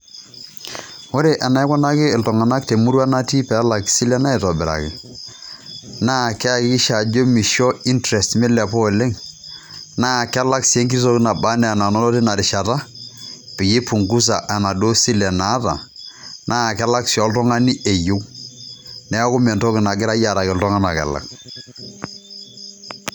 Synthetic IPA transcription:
wo˦ɾe˨ʔa˨na˨ɛ˦kɔ˦na˦kɪ˦˨ltɔ˨ŋa˨na˦kte˨mu˦ɾu˦a˦na˦ti˦pɛ˨˦la˨ksi˦lɛ˦na˦ɛ˨tɔ˨bɪ˨ɾa̰˨kɪ̰˨ | naː˦˨kɛ˦a˦˨kɪ˦kɪ˦ʃa˨d͡ʒo˦mi˨ʃɔ˦i˦ntɾɛ˨stmɛ˦lɛ˨pɔ˦˨lɛ˦ŋ | naː˦˨kɛ˦la˦ksi˨e˦ŋk̬i˦s̬o˦kɪ˦na˨ba˦nɛ˨a˨na˨nɔ˦lɔ˦tɪ˦na˨ɾɪ˨ʃa˨ta˦pɪ˨ɡi˦pu˨ŋɡu˦s̬a˨ʔa˨na˨do˦si˦lɛ˨na˨˦ta̰˨nʔa˦˨kɛ˦la˦ksi˨ɔ˨˦ltɔ˦ŋa˦ni˦ʔe˨jʊ˦k | nɛ˦kʊ˦mɛ˨ntɔ˦kɪ˨na˨ɡɪ˦ɾa˦ja˨ɾa˨kɪ˨ltɔ˦ŋa˦na˨kɛ̰˨la̰˨k̚

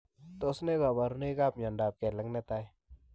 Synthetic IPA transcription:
t̪o˦sne˦ɡa˨ba˨ɾu˦ne˦ka˦˨pɲa˨nda˨p̚kɛ˨lə˦ŋne˦t̪a˦j

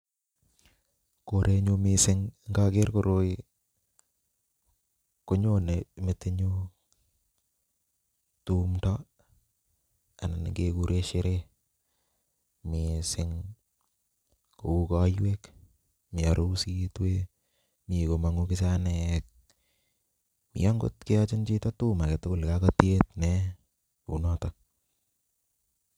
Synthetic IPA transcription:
ko˨ɾe˧ɲo˦mɪsɪ˦ŋŋɡa˦ke˦ɾkoɾo˦i | ko˦ɲo˦ne˨mɪ˦tɪ˦ɲo˦ | tumtɔ˦ | a˨na˨n̰ɡeku˦ɾʔe˦ʃɪ˦ɾe˦ | mɪsɪŋ | ko˨u˦kɔ˦jwe˦k | mɪ˨a˨ɾo˦si˦twe˦ | mi˨ko˨ma˨ŋu˦kɪ˦t͡ʃanɛk̚ | mḭ˨jɔ˦ŋɡo̰˦tkɪ˦a˦t͡ʃɪ˦nt͡ʃi˦to˦tu˦ma˨ke˨tʊ˦ko˦lkaka˦tjetnɛ | ṵ˨nɔtɔk̚

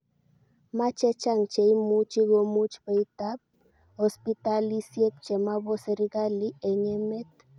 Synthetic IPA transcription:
ma˦t͡ʃɛ˦t͡ʃa˦˨ŋt͡ʃe˨i˦mu˦t͡ʃi˦ɣo˦mu˦t͡ʃpe˨it̪a˦p̚ | hɔ˨spi˦t̪a˦li˦sjɛ˦p̚t͡ʃɛ˨ma˦βɔ˦se˨ɾi˦ɡa˦li˦ɛ˨ɲɛ˦mɛ˦t̪̚

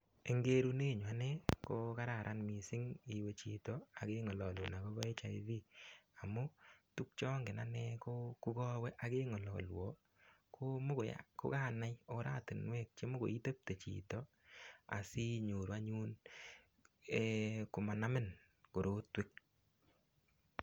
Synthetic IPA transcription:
e˨ŋɡe˦ɾu˦ne˦˨ɲwa˦nɛ˦ko˦ka˦ɾa˨ɾʔa˦nmi˨sɪ˦ŋi˨we˦t͡ʃi˨tɔ˨a˨ke˦ŋɔ˨lɔ˨lu˨na˨ko˦βɔ˦e˦t͡ʃa˨i˦ði˦a˨mʊ˦tu˦k̚t͡ʃɔ˦ŋɡɪ˨na˦nɛ˦ko˦ku˦ɡɔ˦wɛ˦ʔa˨ke˦ŋɔ˨lɔ̰˨lwo˨ | kʰo˦mʊ˦ko˨ja̰ko̰˦kaː˦˨na˦jo˨ɾa˦tɪ˨nwɛ˦k̚t͡ʃe˦mʊ˦ɡo̰˨i˦te˦p̚te˨t͡ʃḭ˨tɔ˨ | a̰˨sɪ˦ɲo˨ɾwa˦ɲu˦n | e˦kʊ˨ma˨na˦mɪ˦n | ko˨ɾo˦twɪ˦k̚

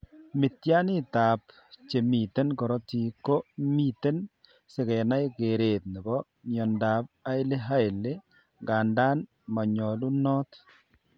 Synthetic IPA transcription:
mɪ˨tja˦nɪ˦ta˨p | t͡ʃe˨mi˨te˦nkɔ˨ɾɔ˦ti˨ko˦mi˦t̪e˦n | sɪ˨kɛ˨na˦jke˨ɾe˨t̪nɪ˨bɔ˦ | ɲɔ˨nda˨p̚a˦ɪ˦le˦ɦa˦ɪ˨le˦ | ɡa˨nda˦n | ma˨ɲɔ˨lu˦nɔ˦t

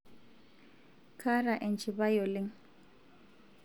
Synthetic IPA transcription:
kʰa˦ɾa˨ʔɛ˨nt͡ʃʰʼɪ˨ba˦jɔ˨lɪ˦ŋ̩

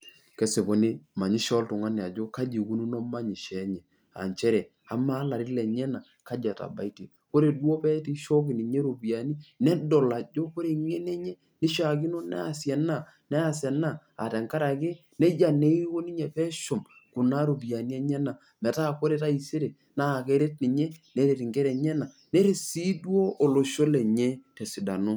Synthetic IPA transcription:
kɛ˦se˨po˨ne˦ma˨ɲi˦ʃɔ˦ltʊ˨ŋa˦ne˨a˨d͡ʒo˦ka˦d͡ʒi˨ku˦nu˦no˦ma˦ɲi˨ʃɛ˨˦ɲɛ˨ | a̰˨ɲt͡ʃɛ˦ɾɛ˨ | a˨˦ma˦la˨ɾɪ˦lɛ˨ɲɛ˦na˨ | ka˦d͡ʒa˨ta̰˨ba̰˨i˦te˨ | ko˦ɾe˨dwo˦pɛ˦ti˦ʃo˦k̬ɪ˨ni˨ɲe˦ɾo˨bi˨a˨ni˦nɛ˦do˨la˨d͡ʒo˦ko˦ɾe˦˨ŋɛ˦nɛ˦ɲɛ˦ | ni˦ʃa˨k̬ɪ˦no˦nɛ̰˦a˨sjɛ˨na˦˨ | nɛ˦a˨sɛ˨na˦˨ | a̰˨tɛ˨ŋka˦ɾa˨kɪ˦ | nɛ˦d͡ʒa˨ne˦i˦ko˦ni˦ɲɛ˨pɛ˦ʃʊ˨m | ku˨na˦ɾo˨bi˨a˨ni˦ɛ˦ɲɛ˦na˨ | mɛ˨ta˦˨ko˦ɾe˨ta˦i˨se˦ɾe˨ | na˦˨ke˦ɾe˦tni˨ɲɛ˦ne˨˦ɾe˨ti˨ŋɡɛ˦ɾɛ˨ɲɛ˦na˨ | nɛ˦ɾe˨si˦dwo˦ʔo˨lo˨ʃo˦lɛ˨ɲɛ˦tɛ˨si˨da̰˨no˦

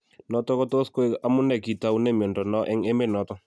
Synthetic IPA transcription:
nɔ˦tɔ˦kɔ˦to˦sko˦e˦a˦mʊ˦nɛ˦˨ki˨ta˦u˦ne˦˨mjɔ˨ndɔ˨nɔ˦ʔɛ˦ŋe˦me˦˨nɔ˨˦tɔ˦

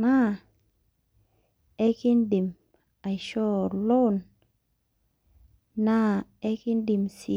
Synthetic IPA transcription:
na˦˨ | e˦ki˦ndi˨m | a˨jʃɔ˦lo˦n | na˦e˦ki˦ndi˨msi˨

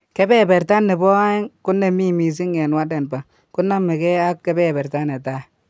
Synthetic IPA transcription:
ke˦bɛ˦˨be˨ɾta˦nːe˨bɔ˦a˦i˦ŋku˦nːe˨mi˦mi˨s̬i˦ŋe˨nwa˦de˨nba˨ | ku˦nːa˦mi˨ke˦a˦kːe˦bɛ˦˨bɛ˨ɾta˦ne˨ta˦˨

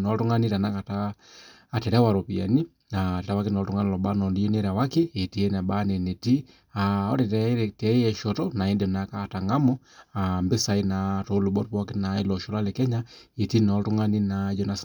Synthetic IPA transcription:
nɔ˨tu˦ŋa˦ni˦ɾa˨na˦ka˨taː˨ | te˨ɾa˦wa˨ɾo˨pia̰˨ni˦ | na˨te˨ɾa˦wa˦ke˦nɔ˨tu˦ŋɡa˦ni˦lɔ˨ba˦nɔ˨ndi˦je˦neɾa˨wa˦keː˦˨ti˦e˦na˨ɓa˦ne˨ne˨ti˦ | aɔ̰˦te˨tɛ˦ɾetɛ˦jɛ˨ʃɔ˨tɔna˨e˦ndo˨naka˦˨ta˨ŋɡa˦mɔambe˦sa˨i˦na˨to˦lu˨bɔ˦tpɔ˦ke˦nae˦lɔʃɔ˨la˦le˨kɛ˦ɲae˨ti˦nɔtu˦ŋa˦ni˦na˦d͡ʒɔ˦nas

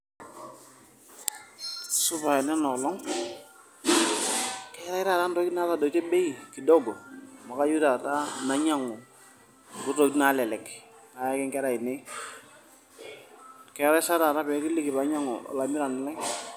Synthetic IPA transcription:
su˦pa˨ɛ˨nɛ˦nɔ˨lɔ˦ŋ | kɛ˦ɾa˦ɪ˦ɾa˦˨ta˦n˦tɔ˦kna˦ta˦˨dɔ˨t͡ʃɛ˦be˦i˨ki˨dɔ˦ɡɔ˨ma˨ka˦ju˦ta˨ta˦na˨˦ɲa˦ŋɔ˨ | ɡʊ˦tɔ˨ki˦na˦lɛ˨lɛ˨k | a˨ja˦kɛ˦ŋkɛ˦ɾa˨i˨nɛ˦ | kɛ˨˦ɾa˦sa˦ɾa˨ta˦pɛ˨˦ki˦li˦ki˨ba˨˦ɲa˦ŋɔ̰˨la˨mi˦ɾa˨nɪ˨la˦

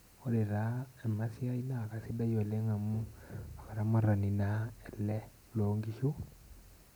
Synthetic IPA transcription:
o˦ɾe˨ɾa˦ɛ˨ma˦si˦a˦i˦la˦˨ka˨si˦da˦jɔ˨ɛ˨lɛ˦ŋa˨mu˦a˨ka˨ɾa˨˦ma˨ɾa˨ni˨naɛ˨lːɛ˦ | lo˦ŋɡi˦ʃu˦

